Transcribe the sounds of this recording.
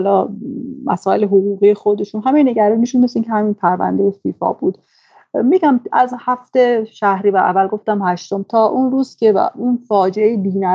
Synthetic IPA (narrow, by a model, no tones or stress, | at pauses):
hlɒːmʔæ̰sɒːe̞leɦoɣuːɣiːjexo̞d̪e̞ʃunɦæmejne̞ɟæɾɒmiʃunmesiːncʲʰehæminpʰæɾvæ̰nd̪ejefiːfɒ̰ːbuːd̪̥ | miɟæmæzhæft̪e̞ʃæhɾiːvæʔæ̰vælɡo̞ft̪æmhæʃt̪o̞mt̪ʰɒːʔunɾuːz̥cʰe̞̰unfɒːd͡ʒeejebiːnæ